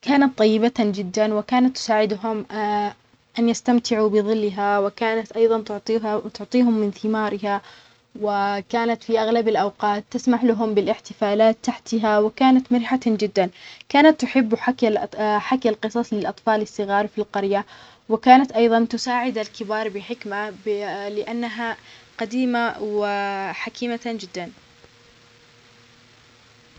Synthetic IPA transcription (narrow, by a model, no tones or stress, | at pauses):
kaːnat̪ˤːɑjːɪbat̪ad͡ʒɪd̪ːanwɪkaːnat̪ːʊ̥saːʕɪd̪ɦʊm | ʔanjast̪amt̪ʰɪʕubɪðˤɨlːɪɦawɪkaːnat̪ʔɑjðˤɑnt̪ʊʕt̪ˤːt̪ʊʕt̪ˤiːɦʊmːɪnθɪmaːɾɪha | wɪkaːnat̪fiʔaɣlabalʔawqɑːt̪ːasmaħlaɦʊmbɪlʔɪħt̪ɪfaːlaːt̪ːaħt̪aɦawɪkaːnat̪mɪɾħad͡ʒɪd̪ːankaːnat̪ːʊħɪbː | ħakːalqɨsˤɑsˤlɪlʔɑt̪ˤfɑːlɪsːɨɣɑːɾˤfilqɑɾja | wɪkaːnat̪ʔɑjðˤɑnt̪ʊsaːʕɪd̪alkɪbɑːɾˤbɪħɪkmalɪʔanːaɦaqad̪iːmawɪħakʰiːmad͡ʒɪd̪ːan